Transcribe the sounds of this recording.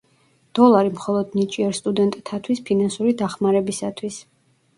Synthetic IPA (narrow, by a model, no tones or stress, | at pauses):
d̪̥ɔlˠaɾimχɔlˠɔd̪nit͡ʃʼiɛɾst̪ʼud̪ɛnt̪ʼt̪ʰat̪ʰwispʰinansuɾid̪aχmaɾɛbisat̪ʰwis